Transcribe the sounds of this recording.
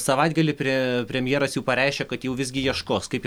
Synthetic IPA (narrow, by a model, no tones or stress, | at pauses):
sɐʋɐɪd̪̚ɡɐlʲɪpʲɾʲɛpʲɾʲɛmʲjeːɾɐsjɛʊpɐɾʲɛɪʃʲkʲekɐt̪jɛʊʋʲɪzʲɡʲɪjiɛʃkoːskɐɪp